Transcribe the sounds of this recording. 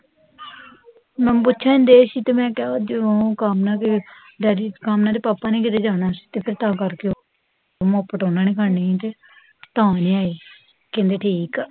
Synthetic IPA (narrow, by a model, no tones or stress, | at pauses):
mɛ̃ːpʊtːt͡ʃʰaːɪ̃nd̪eːsiːt̪eːmɛ̃ːkɛad͡ʒɪõːkaːmnaːke | ɖɛːɾiːkaːmnaːd̪eːpaːpaːnẽːk̬ɪt̪eːd͡ʒaːnaːsi̥ːt̪eːpʰɪɾt̪ãːkəɾkeo | moːpːəʈõːnaːniːkʰaĩt̪eː | t̪ãːnĩːaːiː | kẽnd̪eːʈʰiːkː